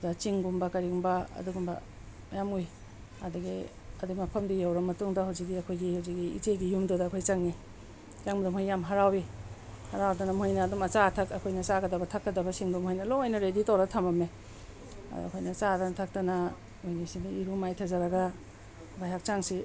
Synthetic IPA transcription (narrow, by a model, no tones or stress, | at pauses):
dɐt͡ʃiŋɡumbɐkɐɾiɡumbɐɐ̰duɡumbɐ̰ | majamuj | adɐɡi | ɐdumɐpʰɐmdijawɾɐmːɐtuŋdɐɦawzik̚ɡiɐkʰojɡihawzik̚ɡiḭt͡ʃeɡijumdodɐːkʰojt͡ʃaŋni | t͡ʃaŋmɐdumhojːamɦaɾawi | haɾawdɐnɐmojnɐːdumɐt͡ʃatʰɐkɐkʰojnɐt͡ʃaɡɐdɐbɐtʰakːɐdɐbɐsiŋdumhojnɐloajnɐɾeditawɾatʰamɐme | a̰d̰ɐ̰kʰojnɐt͡ʃadanatʰak̚tɐnɐ | ojnisiniiɾumajtʰazaɾɐɡɐ | bajɦak̚t͡ʃaŋsi